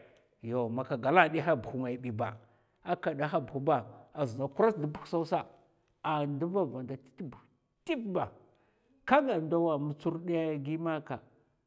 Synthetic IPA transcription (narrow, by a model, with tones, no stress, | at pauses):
jo˨ma˨ka˨ɡa˨la˦ɗi˦ɦa˦bu˨xu˨ŋa˨i˨ɓi˨ba̰˨ | a˦ka˨da˦ɦa˦bxu˨ba˨a˨zi˨na˨ku˦ɾa˦sdi˦bu˦sa˦u˦sa˦ | a˨ndu˦va˦va˨nda˨ti̥˦ti˦bu˨ | ti˦pba˨ | ka˦ɡa˨nda˦wa˨mu˨t͡su˦ɾdi˦ja˦ɡi˦ma˦ka˨